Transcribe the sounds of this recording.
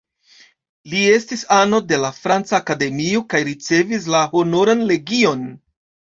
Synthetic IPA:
lie̞stisano̞de̞lafɾant͡saːkade̞miokajɾit͡se̞vis̬laho̞no̞ɾanle̞ɡio̞n

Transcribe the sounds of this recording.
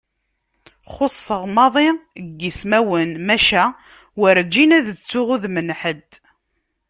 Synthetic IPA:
χosˤːəʁmɑðˤiɡːismæwənmæʃæ | wəɾd͡ʒːinæðət͡sːʊʁʊðmənħəd̪

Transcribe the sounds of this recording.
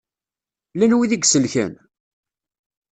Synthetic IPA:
lænwiðiɡsəlçæ̰n

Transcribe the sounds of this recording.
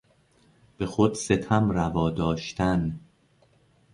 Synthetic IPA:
b̥e̞xod̪se̞t̪ʰæmrævɒːd̪ɒːʃt̪ʰæn

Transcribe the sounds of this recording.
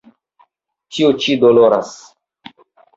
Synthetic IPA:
t͡ʃiot͡ʃidoloɾa̰s

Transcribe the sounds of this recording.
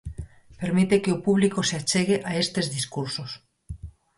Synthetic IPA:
peɾmit̪ekeopuβ̞likoseat͡ʃeɣ̞eʔaest̪ezðiskuɾsos

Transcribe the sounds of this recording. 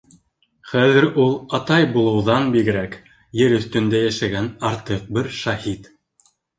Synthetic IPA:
χæðɘ̆ɾulˠɑt̪ɑjbulˠɤ̆wðɑnbiɡɘ̆ɾæk | jɘɾɵ̆θt̪ɵ̆nd̪æjæʃæɡænɑɾt̪ɤq̚bɘɾʃɑhit̪

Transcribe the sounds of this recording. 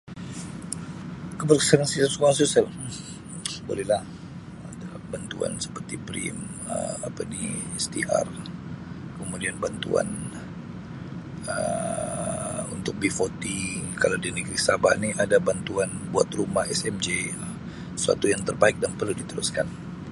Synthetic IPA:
kəbərksənŋsisəsukaŋsusɛl | bo̰lɛhlah | adalahbant̪ua̰nsə̥pərt̪ipɾḭmə̰apadist̪ḭʔa̰r | kəmudianbant̪ṵa̰n | ə | unt̪ʊk̚bifot̪ikalawdianikɾiksaba̰niʔadabant̪uanbua̰t̪rumahɛsɛmd͡ʒe | sua̰t̪ujaŋt̪ərbaɪk̚danpərludit̪əɾṵskan

